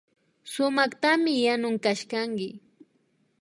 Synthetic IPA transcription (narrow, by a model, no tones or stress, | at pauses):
sʊmɑχt̪amɪjanʊŋkaʃkaŋkɪ